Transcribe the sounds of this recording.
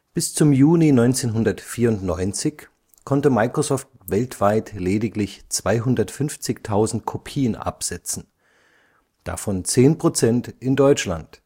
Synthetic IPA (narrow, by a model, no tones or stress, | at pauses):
b̥ɪst͡sʊmjuːlinɔʏnt͡seːnɦʊndɐtfiːɐʊntnɔʏnt͡sɪç | kʰɔntəmaɪkʁ̥ozɔːft̚ | v̥ɛltv̥aɪtleːdɪklɪçt͡sv̥aɪɦʊndɐtfʏnft͡sɪçtʰaʊzn̩t̚kʰopʰiːənʔa̰pz̥ɛt͡sn̩ | d̥a̰fɔnt͡seːnpʁ̥ot͡sɛntʔɪndɔʏt͡ʃla̰nt